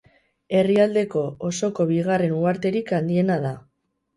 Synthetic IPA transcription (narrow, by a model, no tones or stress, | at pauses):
e̞riald̪e̞ko̞oso̞ko̞βiɣare̞nuaɾt̪e̞ɾikand̪ie̞naða